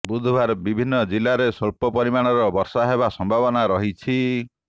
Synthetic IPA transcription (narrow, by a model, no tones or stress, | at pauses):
bud̪ʱbʱaɾbibʱinːɔd͡ʒilːaɾesɔɭpɔpɔɾimaɽ̃ɔɾɔbɔɾsaɦebasɔmbʱabɔnaɾɔɦit͡ʃʰi